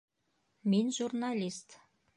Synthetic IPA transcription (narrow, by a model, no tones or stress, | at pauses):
menʒurnalʲist̪